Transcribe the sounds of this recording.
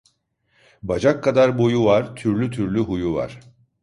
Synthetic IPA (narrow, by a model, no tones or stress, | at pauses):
bad͡ʒakʰːad̪aɾbo̞juvaɾt̪ʰyɾlʲyt̪ʰyɾlʲyɦujuva̰ɾ̥